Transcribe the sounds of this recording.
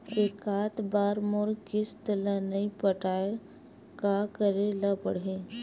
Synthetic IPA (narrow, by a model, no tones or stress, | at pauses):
eːkaːt̪baːɾmoɾkɪst̪əlanɐipəʈaː | kakəɾelapəɽẽ